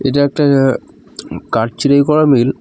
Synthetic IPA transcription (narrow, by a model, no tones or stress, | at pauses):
eʈaɛk̚ʈa | kaɾ̚t͡ɕiɾajkɔɾamil